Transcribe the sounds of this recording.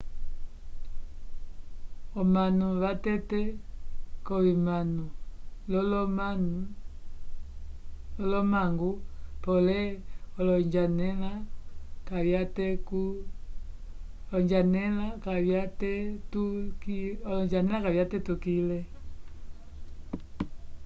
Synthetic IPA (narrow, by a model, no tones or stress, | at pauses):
ɔmanuβatɛtɛ | kɔβimanulɔlɔman | lɔlɔmaŋɡupɔlɛɔlɔɲd͡ʒanɛlakaβjatɛku | lɔɲd͡ʒanɛlakaβjatɛtukiɔlɔɲd͡ʒanɛlakaβjatɛtukilɛ